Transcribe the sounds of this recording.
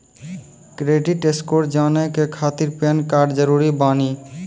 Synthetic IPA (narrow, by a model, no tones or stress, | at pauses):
kɾeʈiʈeskoɾd͡ʒanekekʰat̪iɾpankaɖd͡ʑʌɾuɾibani